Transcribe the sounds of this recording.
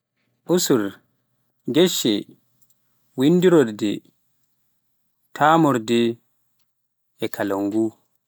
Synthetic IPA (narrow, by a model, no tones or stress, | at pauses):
ʔusuɾ | ɡɛʃːɛ | winːdiɾɔɾdɛ | tʰaːmɔɾdɛ | kʰalaŋɡu